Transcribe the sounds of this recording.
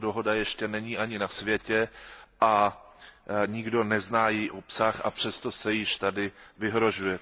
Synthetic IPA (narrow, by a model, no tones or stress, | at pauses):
doɦo̞dajɛʃcɛnɛɲiːʔaɲɪnasvjɛcɛʔa | ɲɪɡdo̞nɛznaːjɛʔopsaxʔa̰pr̝̥ɛst̪o̞sɛjɪʃt̪adɪvɪɦɾo̞ʒujɛ